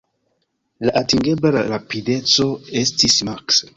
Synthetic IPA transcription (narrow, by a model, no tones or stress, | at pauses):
laʔatiŋɡeblalaɾapidet͡so̞estismaks